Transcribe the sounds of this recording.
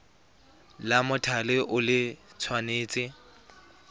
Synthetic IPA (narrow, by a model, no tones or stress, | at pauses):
lamʊtʰalɪʔʊlɪt͡sʰwaneːt͡sʼɪ